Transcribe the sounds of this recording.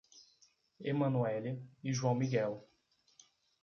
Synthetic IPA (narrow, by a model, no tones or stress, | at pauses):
emɐ̃nuɛliɪʒuɐ̃w̃miɡɛw